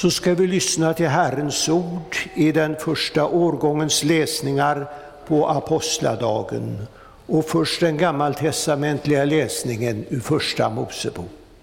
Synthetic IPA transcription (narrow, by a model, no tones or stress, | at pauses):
sɔskavɪlʏsnat̪ʰɪlɦæɾənsuːɖɪd̪ɛnfœʂʈaʔoːɾɡɔŋːənslɛːsnɪŋaɾ | pʰɔʔapʰɔst̪la̰d̪ɑːɡə̰n | ɔfœʂʈd̪ɛnɡamːalt̪ʰɛst̪amɛnt̪lɪɡalɛːsnɪŋənɪfœʂʈa̰muːsəbṵːk